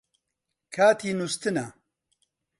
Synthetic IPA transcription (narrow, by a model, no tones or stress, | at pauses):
kʰaːt̪ʰiːnust̪ɨnɐ